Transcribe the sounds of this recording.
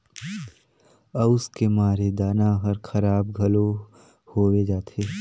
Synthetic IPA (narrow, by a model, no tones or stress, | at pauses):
ɐʊskemaːɾed̪aːnaɦɐɾkʰɐɾaːb̚ɡʱɐlo | hoːʋed͡ʒaːt̪ʰeː